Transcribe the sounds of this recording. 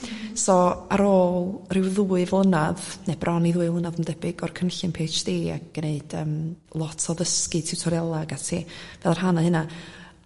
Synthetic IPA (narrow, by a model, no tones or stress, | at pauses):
sɔaɾoːlˠrɪwðuːɨvlˠənaðnebrʔɔniðuːɨvlˠənaðəmdɛbɪɡɔrkʰənɬɨnpʰeːt͡ʃd̥eːa̰k̚neɨd̥əːm | lˠɔtʰɔðəskɨtʰɪwtʰɔɾjalˠaɡatʰeːvɛlˠar̥ɦanahɨna